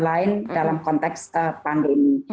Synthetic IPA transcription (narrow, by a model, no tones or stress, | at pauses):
laɪndalamkɔnt̪ɛksəpandemi